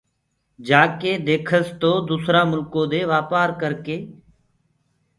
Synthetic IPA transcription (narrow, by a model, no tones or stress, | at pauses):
d͡ʒaːkeːd̪eːkʰəst̪oːd̪uːsɾaːmʊlkoːd̪eːʋaːpaːɾkəɾkeː